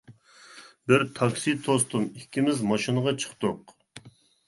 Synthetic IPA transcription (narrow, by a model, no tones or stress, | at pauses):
bɪɾt̪ʰɑksit̪ʰost̪umikʲːimɪzmɑʃinəʁɑt͡ʃʰə̥χt̪ʊq